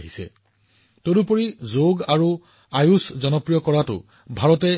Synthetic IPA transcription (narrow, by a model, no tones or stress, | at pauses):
ɦisɛ̰ | todupoɹizoɡaɹu | ajuszɔnɔpɹijɔkɔɹatʊ̰ | bʱaɹɔtɛ